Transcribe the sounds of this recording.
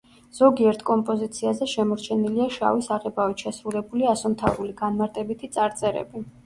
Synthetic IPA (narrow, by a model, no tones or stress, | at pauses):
z̥ɔɡiɛɾt̪ʰkʼɔmpʼɔzit̪sʰiazɛʃɛmɔɾt͡ʃʰɛniliaʃa̰visaʁɛbavit̪ʃɛsɾulɛbuliasɔmt̪ʰa̰vɾuliɡ̥anmaɾt̪ʼɛbit̪ʰit̪sʼaɾt̪sʼɛɾɛ̰bi